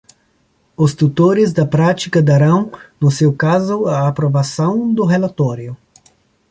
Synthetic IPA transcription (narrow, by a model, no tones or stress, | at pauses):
ʊst̪ut̪oɾɪzd̪ɐpɾat͡ʃikɐd̪aɾɐ̃w̃nʊsewkazʊɐːpɾovasɐ̃w̃d̪ʊɦelat̪ɔɾjʊ